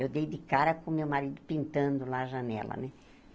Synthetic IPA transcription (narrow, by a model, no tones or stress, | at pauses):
ewd̪ejd̪ɪkaɾɐkõmewmaɾid̪ʊpĩnt̪ɐ̃nd̪ʊlaʒɐnɛ̰lɐ̰nɛ